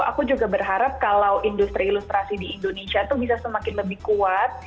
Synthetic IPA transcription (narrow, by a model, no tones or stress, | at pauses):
a̰kud͡ʒuɡabərɦaɾap̚kalawʔindust̪ɾiːlust̪ɾasidiːndonesiat̪ubisasəmakɪnləbɪhkuat̪̚